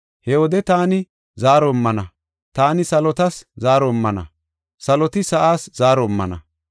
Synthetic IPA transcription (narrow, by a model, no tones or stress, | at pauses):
hɛwɔd̪ɛt̪aːnɪ | zaːɾɔmːɐnɐ | t̪aːnɪsɐlɔt̪ɐszaːɾɔmːɐnɐ̰ | sɐlɔt̪ɪsɐʔaːsz̥aːɾɔmːɐ̰nɐ̰